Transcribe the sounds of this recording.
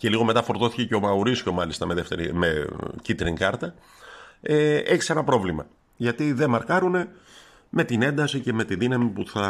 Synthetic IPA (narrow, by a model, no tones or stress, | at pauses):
ce̞liɣo̞me̞t̪ɐfo̞ɾt̪o̞θice̞ceomɐoɾisço̞mɐlist̪ɐme̞ðe̞ft̪e̞ɾḭmecit̪ɾiŋkɐɾt̪ɐ | eeçi̥se̞nɐpɾo̞vlimɐ | ʝɐt̪iðe̞mɐɾkɐɾune̞ | me̞t̪ine̞nd̪ɐsice̞me̞t̪iðinɐmipuθɐ